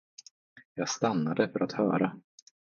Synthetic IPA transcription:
jɑːɡst̪anːad̪əfœɾʔat̪hœ̰ːɾa

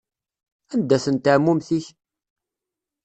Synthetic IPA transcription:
ænd̪æθənt̪əʕmːumθiç

